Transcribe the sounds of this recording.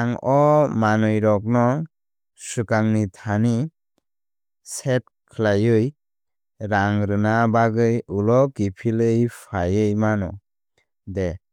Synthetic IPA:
aŋɔmanɯjɾɔk̚nɔ | sukaŋnitʰani | set̚ | kʰlajɯj | ɾaŋɾɯnabaɡɯjulɔɡipʰilɯjpʰajɯjmanɔ | de

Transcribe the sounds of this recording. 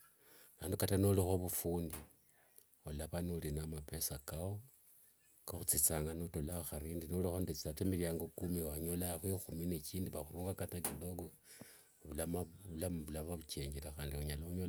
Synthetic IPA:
aːndukatanolixo̞βufuːndi | olaβanulinamape̞sakao | kaxut͡sit͡saːŋɡanotolaoxaɾiːndinolixondet͡si̥atemiljaːŋɡokumiwaɲo̞laxwexuminet͡ʃiːndiβaxuɾuːŋɡakatakidoɡo | βulamaβulamβulaβaβut͡ʃeːɲɟelaxaːndiuɲalauɲola

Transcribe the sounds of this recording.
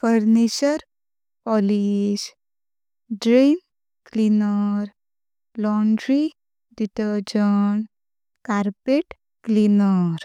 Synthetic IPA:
fəɾniɕəɾ | pɔliɕ | ɖɾen | klinəɾ | lɔɳɖɾi | ɖiʈəɾd͡ʑən | kaɾpeʈ | klinəɾ

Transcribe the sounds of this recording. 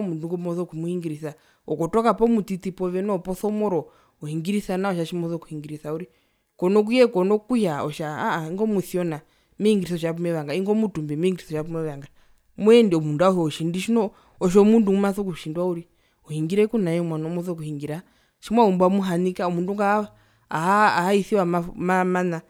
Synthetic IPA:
munduŋɡɔmɔθɔkumuhiŋɡiɾiθa | ɔkɔtɔkapɔmutitipɔʋɛnɔpɔθɔmɔɾɔ | ɔhiŋɡiɾisanaɔʃaʃimɔθɔku̥hiŋɡiɾisauɾi | kɔnɔk̬ujɛkɔnɔkujaɔʃaaaiŋɡɔmuθiɔna | mihiŋɡiɾisɔʃ̬ap̬umɛʋaŋɡaiŋɡɔmutumbɛmihiŋɡiɾisɔʃap̬umɛʋaŋɡa | muɛndiɔmunduauhɛɔʃindiʃinɔ | ɔʃ̬ɔmundumaθɔkuʃindwauɾi | ɔhiŋɡiɾɛkunajɛmwanɔmɔθɔk̬uhiŋɡiɾa | ʃimwaumbamuɦanikaɔmunduŋɡaː | aːhaiθiwamamamana

